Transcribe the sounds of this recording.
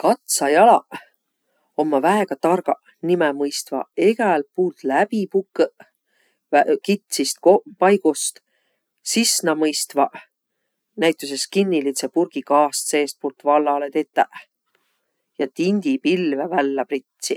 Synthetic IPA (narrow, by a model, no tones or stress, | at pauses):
kɑt̪sɑjɑlɑ | o̞mːɑvæeɡ̥ɑt̪ɑrɡ̥ɑ | nimɛmɤjst̪vɑ̰eɡ̥æl̚puːlt̪læbipukː | ækit̪sist̪̚kopɑjɡ̥ust̪ | sisnɑmɤjst̪vɑʔ | næjt̪ːˑus̬eskinʲːilit̪sepurɡ̥ikɑːst̪se̞ːst̪̚purt̪ːvɑlːɑlet̪e̞t̪ːˑæʔ | jɑt̪inʲd̪̥ipilvævælːæprit̪si